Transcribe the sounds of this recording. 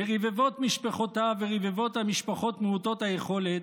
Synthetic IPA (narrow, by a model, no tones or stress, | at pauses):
eʁivevo̞t̪miʃpeχo̞taveʁivevo̞thamiʃpaχo̞tmeuto̞thajeχo̞let̪